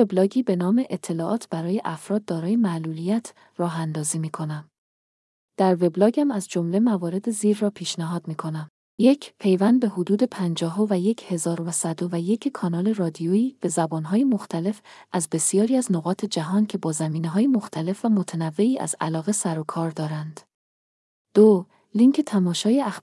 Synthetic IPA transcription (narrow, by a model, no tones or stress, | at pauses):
veblɒːɟiːbe̞nɒːme̞ʔet̪ʰːe̞lɒːʔɒːt̪ʰb̥æɾɒːje̞ʔæfɾɒːd̪̚d̪ːɒːɾɒːjemæʔlulijæt̪ʰ | rɒːɦænd̪ɒːziːmiːkʰo̞næm | d̪̥æɾve̞blɒːɟæmæzd͡ʒo̞mle̞mævɒːɾe̞d̪eziːɾːɒːpʰiːʃnæɦɒːd̪miːkʰo̞næm | je̞cʰpʰe̞jvænd̪̚be̞hod̪uːd̪e̞pʰænd͡ʒɒːɦovæje̞cʰhe̞zɒːɾovæsæd̪ovæje̞cʰkʰɒːnɒːle̞rɒːd̪ioiːb̥e̞zæbɒːnɦɒːjemo̞xt̪ʰæle̞fʔæzbe̞sijɒːɾiːæzno̞ɣɒːt̪ʰe̞d͡ʒæɦɒːncʰe̞bɒːzæmiːneɦɒːjemo̞xt̪ʰæle̞fvæmo̞t̪ʰænævːe̞iːʔæ̰zæ̰lɒːɣe̞sæɾokʰɒːɾd̪ɒːɾænd̪̥ | d̪̥o | liŋcʰet̪ʰæmɒːʃɒːjeæx